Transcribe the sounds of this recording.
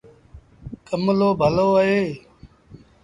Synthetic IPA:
kəmloːbʱəloːəɦeː

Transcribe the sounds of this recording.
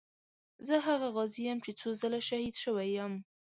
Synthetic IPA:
zəɦaɣaɣɑzijamt͡ʃet͡sozəlaʃahid̪ʃəwajam

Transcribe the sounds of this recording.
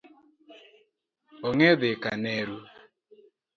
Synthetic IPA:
ɔŋeðɪkanɛɾu

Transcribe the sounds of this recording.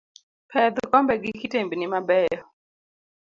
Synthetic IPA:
pʰɛd̪kɔmbɛɡikitembinɪmabɛjɔ

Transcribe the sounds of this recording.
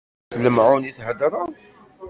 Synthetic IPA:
θləmʕuniθhəd̪ɾˤɑðˤ

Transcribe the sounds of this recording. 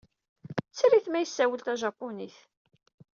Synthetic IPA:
t͡sːɾiθmæjəsːæwəlt̪æʒɑpːʊniθ

